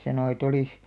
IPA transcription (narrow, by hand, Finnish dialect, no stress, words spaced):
sɑnoˑ et oliˑs